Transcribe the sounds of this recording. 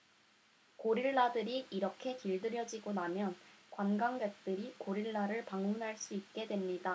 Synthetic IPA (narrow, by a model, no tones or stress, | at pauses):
koɾiɭːadɯɾiʔːɾʌkʰe̞kiɭdɯɾjʌd͡ʑiɡonamjʌnkwanɡaŋɡek̚t͈ɯɾikoɾiɭːaɾɯɭpaŋunɦaɭs͈uit̚k͈e̞dwe̞mɲida